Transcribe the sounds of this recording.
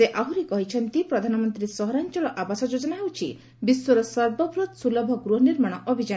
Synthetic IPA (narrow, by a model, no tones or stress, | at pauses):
seʔaɦuɾikɔɦit͡ʃʰɔnt̪ipɾɔd̪ʱanɔmɔnt̪ɾisɔɦɔɾant͡ʃɔlɔʔabasɔd͡ʒod͡ʒɔnaɦewt͡ʃʰi | biswɔɾɔsɔɾbɔpɾut̪sulɔbʱɔɡɾuɦɔniɾmaɽ̃ɔʔɔbʱid͡ʒa